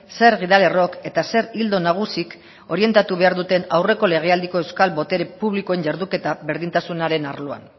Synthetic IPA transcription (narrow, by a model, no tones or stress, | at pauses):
se̞ɾɣiðale̞ro̞ke̞t̪ase̞ɾild̪o̞naɣ̞usik | o̞ɾie̞nt̪at̪uβ̞e̞aɾðut̪e̞nawre̞ko̞le̞ɣ̞e̞ald̪iko̞e̞wskalbo̞t̪e̞ɾepuβliko̞eɲɟaɾðuke̞t̪aβe̞ɾðint̪asunaɾe̞naɾloa̰n